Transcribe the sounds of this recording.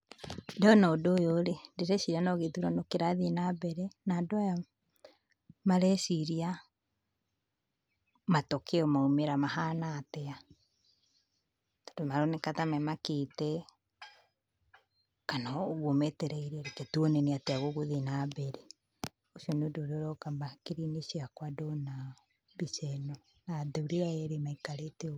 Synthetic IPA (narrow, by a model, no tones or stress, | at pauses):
daɔnɔodojoɾedeɾɛsiɾianɔɣetuɾanokeɾaðenabɛɾɛnadwaja | maɾɛsiɾia | matokeɔmaumeɾamahanatɛa | tḁdomaɾonekatamɛmakitɛ | kanaoɣomɛtɛɾɛiɾiaɾeketuɔnɛneateaɣoɣoðenabɛɾe | oʃiɔneodoɾoɾɔkamakeɾineʃiakwadɔna | βisɛnɔ | nadeuɾeaɛɾemaikaɾeteo